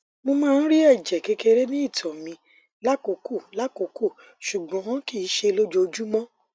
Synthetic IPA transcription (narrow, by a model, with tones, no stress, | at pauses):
mo˧mãː˦˧n̩˦ɾi˦ɛ˦˨d͡ʒɛ˨ke˧ke˧ɾe˦nĩ˦i˦˨tʰɔ˨mĩ˧ | la˦ko˨ko˦˨la˦ko˨ko˦˨ | ʃu˨ɡ͡bɔ̃˨˦ki˦˨˦ʃe˧lo˦d͡ʒo˧d͡ʒu˦mɔ̃˦